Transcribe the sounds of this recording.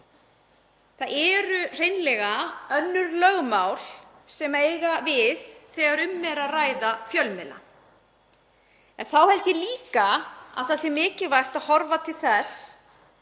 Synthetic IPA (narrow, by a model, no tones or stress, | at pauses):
θaðɛɾʏr̥ejnlɛɣaœnːʏɾlœɣmawl̥ | sɛmeːjɣavɪðθɛːɣaɾʏmːɛɾaðraːjðafjœlmɛla̰ | ɛnθawhɛlt̪ɪliːkaa̰ðθasɛmːɪːcɪvajr̥t̪aðhɔɾvat̪ʰɪlθɛs